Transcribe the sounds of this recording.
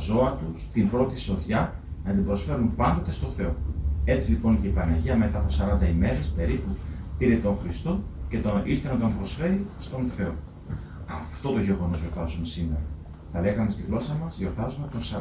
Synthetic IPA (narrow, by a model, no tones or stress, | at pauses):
zo̞ɐt̪ust̪imbɾo̞t̪iso̞ðʝɐnɐt̪imbɾo̞sfe̞ɾumpɐnd̪o̞t̪e̞st̪o̞θe̞o̞e̞t͡silipo̞nceipɐnɐʝiɐme̞t̪ɐpo̞sɐɾɐnd̪ɐime̞ɾe̞spe̞ɾiputiɾet̪o̞ŋxɾist̪o̞ce̞t̪oiɾθenɐt̪ombɾo̞sfe̞ɾist̪o̞nθe̞o̞ | ɐft̪o̞t̪o̞ʝe̞ɣo̞no̞zʝo̞ɾt̪ɐsume̞sime̞ɾɐ | θɐle̞ɣɐmest̪iɣlo̞sɐmɐzʝo̞ɾt̪ɐzume̞t̪o̞nsɐ